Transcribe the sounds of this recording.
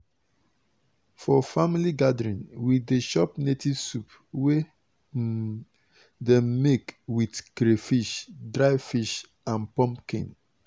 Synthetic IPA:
fɔfamiliɡadɹĩnwideʃɔpnetivsup | we | dɛmːekwidkɾefiʃdɹaɪfiʃ | ãnpɔ̃mpkḛ̃n

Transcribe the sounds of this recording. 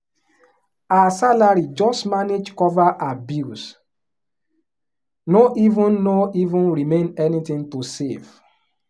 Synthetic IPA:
aasalaɹid͡ʒɔstmaned͡ʒkɔvaʔabjus | noʔivũnːoivũnɹimẽnɛnitĩŋtusef

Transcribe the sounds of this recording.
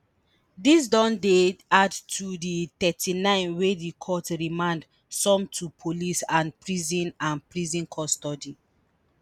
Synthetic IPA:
dis̬dɔ̃ndeadtʰuditɛtʰinãɪ̃nwedikʰɔtɹimãnd | sɔ̃mtʰupʰolisãnpɹizĩnãnpɹizĩnkʰɔstɔdi

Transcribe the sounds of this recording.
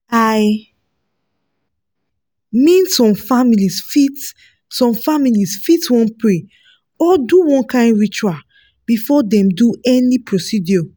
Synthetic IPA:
aj | mĩnsɔ̃mfamilisfit | sɔ̃mfamilisfitwɔ̃npɹe | ɔduwɔ̃nkãɪ̃ndɹit͡ʃua | b̥ifɔdɛ̃mduɛnipɹosidio

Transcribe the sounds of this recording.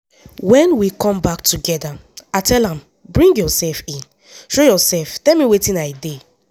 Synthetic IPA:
wɛ̃nwikʰɔ̃mbak̚tuɡɛdaatʰɛlãm | bɹĩŋɡjɔsɛlfĩn | ʃojɔsɛlftɛlmiwetĩnaɪde

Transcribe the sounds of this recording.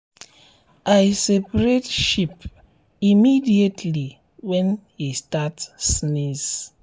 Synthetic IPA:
ajsepɾetʃip | imidietʰli | wɛ̃nhistatːnis

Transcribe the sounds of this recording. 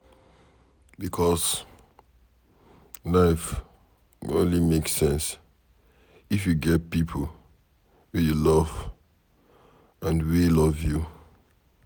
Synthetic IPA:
bikʰɔs | laɪf | õnlimeksɛ̃ns | ifjuɡɛt̚pipʰol | wijulɔv̥ | ãnwilɔvju

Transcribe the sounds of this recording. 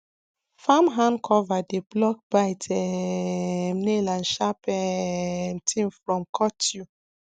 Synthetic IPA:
famɦãnkʰɔvadeblɔk̚baɪtɛ | mnelãnʃapɛ | mtʰĩmfɹɔ̃mkʰɔtʰju

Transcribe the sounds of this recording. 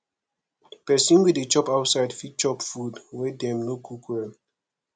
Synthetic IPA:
pɛsĩnwidet͡ʃɔpaʊtsaɪdfit̚t͡ʃɔpfudwɛdɛ̃mnokʰukʰwɛl

